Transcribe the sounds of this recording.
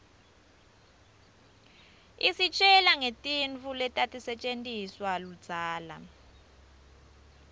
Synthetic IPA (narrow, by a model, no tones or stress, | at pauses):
isit͡ʃʼɛlaŋetʼiɱvulɛtʼatʼisɛt͡ʃʼentʼiswalud̥z̥ʱaːla̰